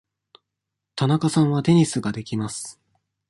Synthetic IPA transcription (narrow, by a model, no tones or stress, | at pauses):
t̪anakasãɰ̃βat̪e̞ɲ̟isɨɡad̪e̞kʲimasɨ̥